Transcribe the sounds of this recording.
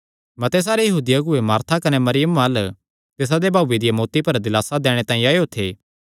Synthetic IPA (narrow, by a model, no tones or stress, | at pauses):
mɐt̪ɛs̬aːɾejɐɦuːd̪ɪjaɡʊemaːɾt̪ʰakɐnemɐɾɪjəmaːl | t̪eːs̬ad̪ebʱaːʋed̪ɪjamoːt̪ipɐɾd̪ɪlaːsad̪ɛːɽ̃et̪ãːĩaːeoːt̪ʰeː